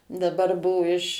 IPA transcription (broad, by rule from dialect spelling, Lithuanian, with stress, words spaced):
dɐˈbɐr ˈbuɔ ɪʃ